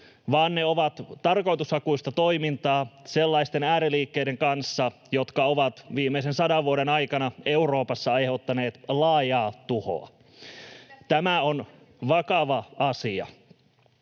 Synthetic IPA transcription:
ʋɑːnːeoʋɑt̪t̪ːɑrko̞jt̪ushɑkuist̪ɑt̪oimint̪ɑːselːɑist̪enæːɾeliːkːejdeŋkɑnsːɑ | jot̪kɑoʋɑt̪ʋiːmeis̬ensɑdɑʋʋuoɾenɑjkɑnɑe̞uɾo̞ːpɑsːɑɑjhot̪ːɑneːt̪lɑːjɑːt̪uho̰ɑ̰ | t̪æmæon | ʋɑkɑʋɑɑsiɑ̰

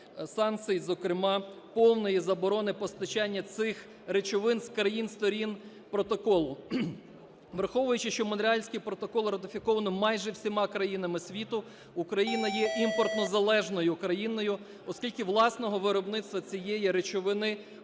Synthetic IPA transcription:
sɑnk̪sɨjizɔkɾɪmɑpɔwnɔjizɐbɔɾɔnɪpɔst̪ɐt͡ʃɑnʲːɐsɪx | ɾet͡ʃɔʋɪnskɾɐjinst̪ɔɾʲin | pɾɔt̪ɔkɔlˠʊ | ʋɾxɔʋʊjʊt͡ʃɪʃt͡ʃɔmʊnɾʲɪɑlʲsʲkɪjpɾɔt̪ɔkɔlˠrɐt̪ɪfʲɪkɔʋɐnɔmɑjʒɛwsʲimɑkɾɐjinɐmɪsʲʋʲit̪ʊ | ukɾɐjinɐjɛʔimpɔrt̪nɔzɐlˠɛʒnɔjʊkɾɐjinɔjʊ | ɔskʲilʲkɪʋlˠɑsnɔɦɔʋɪɾɔbnɪt̪st̪ʋɐt͡sʲijɛjiɾet͡ʃɔʋɪnɪ

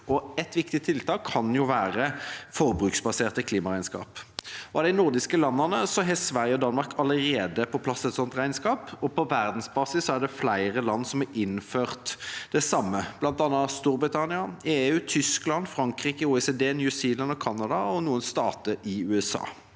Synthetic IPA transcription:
ʔɔɛt̪ʋɪkt̪ɪt̪ʰɪlt̪ʰɑːkʰːɑnjʊʋæːʁəfɔʁbʁʉksbɑseːʁt̪əkʰliːmɑʁæɪnskɑ̰ːpɔɑd̪æɪnʊʁd̪ɪskəlɑnːənəsɔɦɛsʋæʁjəɔd̪ɑnmɑʁkʰɑləʁeːd̪əpʰɔpʰlɑsːɛt̪sɔnt̪ʁæɪnskɑːpɔpʰɔʋæʁd̪n̩sbɑːsɪssːɔæɖ̪ɛflæɪʁəlɑnːsɔmhɑʔɪnføːʁt̪d̪̥ɛsɑmːəb̥lɑnt̪ɑnːɑst̪uːɾbʁɪt̪ʰɑnɪɑeːʉːt̪ʰʏsklɑnfɾɑŋkʁiːkəuːɛseːd̪eːnjʉsiːlɑnɔkʰɑnːɑd̪ɑɔnuːənst̪ɑːt̪əʔɪʉːɛsɑ̰ː

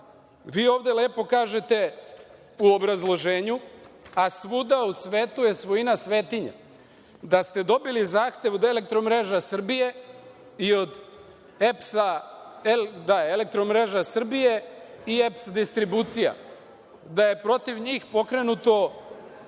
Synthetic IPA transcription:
ʋiːo̞ːʋd̪e̞le̞ːpo̞kaːʒe̞t̪e̞ | uo̞bɾazlˠo̞ʒeːɲuasʋud̪ausʋeːt̪uje̞sʋo̞inasʋe̞ːt̪iɲa̰ | d̪ast̪e̞d̪o̞bilizaːxt̪e̞ʋod̪e̞lek̚t̪ɾo̞mɾe̞ːʒasr̩bije̞ | io̞d̪ | epsaed̪aele̞k̚t̪ɾomɾe̞ːʒasr̩bije̞ie̞psd̪ist̪ɾibuːt̪sija̰ | d̪aje̞pɾo̞t̪iʋɲiːxpo̞kɾe̞nut̪o̞

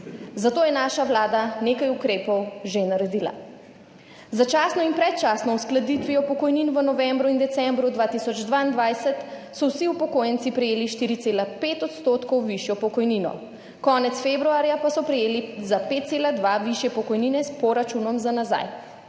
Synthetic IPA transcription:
zat̪oːjɛnaːʃaʋlaːd̪aneːkajukɾeːpɔwʒenaɾɛd̪iːla̰ | zat͡ʃaːsnɔinpɾɛt̪t͡ʃaːsnɔwsklad̪it̪ʋiɔpɔkɔjniːnʋənɔʋɛ̃mbɾuind̪ɛt̪sɛmbɾud̪ʋaːt̪isɔd͡ʒd̪ʋaind̪ʋajsɛt̪ | sɔwsiupɔkoːjɛnt̪sipɾɛjeːliʃt̪iːɾit̪seːlapeːt̪ɔt̪st̪oːt̪kɔwʋiʃjɔpɔkɔjniːnɔ̰ | kɔːnɛt̪sfebɾuaːɾjapasɔpɾɛjeːlizapeːt̪t̪seːlad̪ʋaʋiʃjɛpɔkɔjniːnɛspɔɾat͡ʃunɔmzanaza̰j

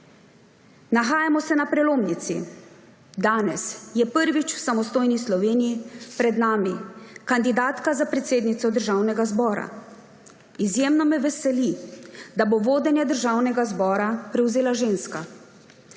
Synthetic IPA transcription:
naxaːjamɔsɛnapɾɛloːmnit̪sḭ | d̪aːnɛsjɛpəɾʋit͡ʃwsamɔst̪oːjnislɔʋeːnijipɾɛd̪naːmikand̪id̪aːt̪kazapɾɛt̪seːd̪nit̪sɔd̪əɾʒaːwnɛɡazbɔːɾa̰ | izjeːmnɔmɛʋɛsɛlid̪aboʋoːd̪ɛnjad̪əɾʒaːwnɛɡazbɔːɾapɾɛwzeːlaʒeːnska

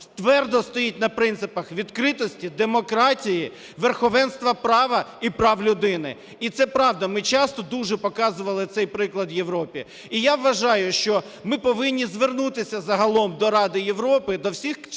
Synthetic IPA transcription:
t̪ʋɛrd̪ɔst̪ɔjit̚ʲnɐpɾɪnɪpɐxʋʲid̪kɾɪt̪ɔsʲtʲid̪emɔkɾɑtʲiji | ʋerxɔʋɛnst̪ʋɐpɾɑʋɐipɾɑwlʲʊd̪ɪnɪ̰ | it̪sɛpɾɑwd̪ɐmɪt͡ʃɑst̪ɔd̪uʒɛpɔkɑzʊʋɐlˠɪt̪sɛjpɾɪklˠɐd̪jeʋɾɔpʲi | ijaʋːɐʒɑjʊʃt͡ʃɔ | mɪpɔʋɪnʲːizʋernut̪ɪsʲɐzɐɦɐlˠɔmd̪ɔɾɑd̪ɪjeʋɾɔpɪd̪ɔwsʲix

